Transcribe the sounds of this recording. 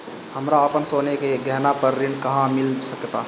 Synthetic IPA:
həmɾaəpənsoːnekeɡʱɛɦnapəɾːinkəɦãmɪlsəkjət̪a

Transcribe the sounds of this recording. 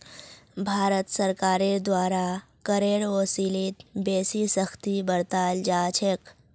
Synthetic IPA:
bʱaːɾət̪səɾkaːɾed̪waːɾa | kəɾeːɽoːsilit̪beːsisəxt̪ibəɾt̪aːld͡ʒaːt͡ʃʰek

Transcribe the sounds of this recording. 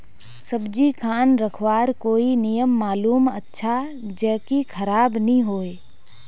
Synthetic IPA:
səbd͡ʒikʰaːnɾəkʰwaːɾkoːinijəmːaːluːmətːʃʰad͡ʒəːkikʰɐɾaːbnəĩɦoːeː

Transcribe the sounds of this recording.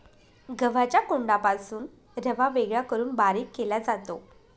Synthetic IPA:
ɡəʋat͡ɕjakoɳɖapasuːn | ɾəʋaʋeɡɭjakəɾuːnbaɾikːelad͡zat̪o

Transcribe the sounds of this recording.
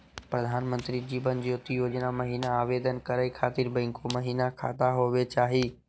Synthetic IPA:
pɾɐd̪ʱaːnmə̃nt̪ɾid͡ʑiːbənd͡ʑiːʊt̪ijoːd͡ʒənamɐɦiːnaaːʋeːd̪ənkɐɾaikʰaːt̪ɪɾbɛ̃ːŋkomɐɦiːnakʰa̰ːt̪aɦoʋet͡ɕaːɦiː

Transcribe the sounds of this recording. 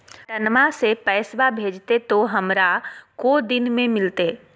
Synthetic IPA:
ʈ̪ɐnmasepɛːswabʱeːd͡ʒt̪et̪oɦɐmɾakod̪ɪnmẽmɪlt̪eː

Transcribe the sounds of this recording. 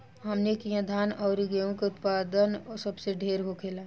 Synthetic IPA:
ɦɐmnekijãd̪ʱaːnɔːɾiɡeõkeʊt̪paːd̪ənɔːɾsɐbseɖʱeːɾɦokʰeːlaː

